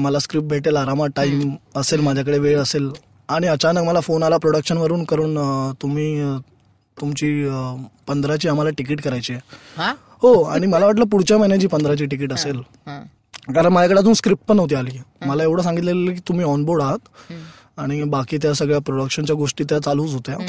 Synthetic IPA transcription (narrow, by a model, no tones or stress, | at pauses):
məlaskɾip̚ʈ̚bʱeʈelaɾamaʈaiməselmad͡ʑʱjak̬əɽeʋeɭəsel | aɽ̃iət͡ɕanəkməlafonalapɾoɽəkʂənʋəɾuːnkəɾuːnt̪um̤iː | t̪umt͡ɕiːpənd̪ʱɾat͡ɕiːam̤alaʈik̬iːʈkəɾajt͡ɕie | hoaɽ̃iməlaʋaʈ̬ləpuɽ̤t͡ɕamɛnat͡ɕiːpənd̪ʱɾat͡ɕiːʈik̬iːʈəsel | kaɾəɳmad͡ʑakəɽat̪ũːskɾip̚ʈ̚pənəʋt̪̬iːaliːməlaeʋɽ̤əsãŋɡit̪̬lelelək̬iːt̪um̤iːɔnboɾɽaɦət̪ | aɽ̃ibakiːt̪̬jasəɡɭjapɾoɽəkʂənt͡ɕjaɡoʂʈiːt̪jat͡saluːt͡sɦot̪ja